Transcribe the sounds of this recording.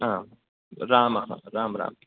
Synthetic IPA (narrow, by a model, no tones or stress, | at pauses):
ãː | ɾaːmaɦã̰ɾaːmɾa̰ːm